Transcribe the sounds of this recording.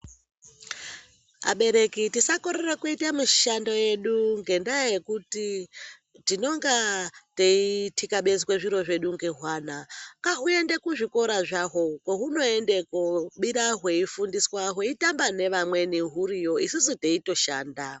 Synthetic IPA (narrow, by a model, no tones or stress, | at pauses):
a̰ɓe̞ɾe̞kitisakoɾerakuitamuʃandoje̞ɗuŋɡe̞ndajajekuti | tino̞ŋɡateitʰikaɓe̞zikweʐiɾo̞ʐe̞ɗuŋɡe̞ɦwaːnakaɦue̞nde̞kuʐiko̞ɾaʐaɦo̞koɦuno̞endekoɓiɾaɦwe̞ifundiswaɦweitambane̞ʋamwe̞niɦuɾijo̞isisiteito̞ʃaːnda